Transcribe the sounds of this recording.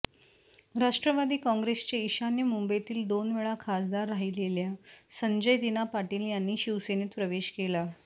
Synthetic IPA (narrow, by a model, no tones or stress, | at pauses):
ɾaʂʈɾəʋad̪iːkɔ̃ŋɡɾest͡ɕeiɕanjəmumbet̪iːld̪onʋeɭakʰasd̪aɾːaɦiːleljasəɲd͡ʑəjd̪inapaʈiːljanːiːɕiʋseniːt̪pɾəʋeɕkela